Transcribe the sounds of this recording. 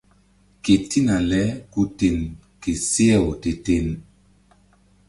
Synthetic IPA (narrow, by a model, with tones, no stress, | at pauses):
ke˨ti˦na˨lɛ˦ku˦te˨n | ke˨se˦ɛ˦˨o˨te˨te˦˨n